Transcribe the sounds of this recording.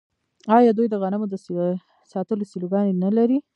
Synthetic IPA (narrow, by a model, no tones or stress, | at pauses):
ɑjɑd̪ujd̪əɣanamod̪əs | sɑt̪əlosiloɡɑnenalaɾi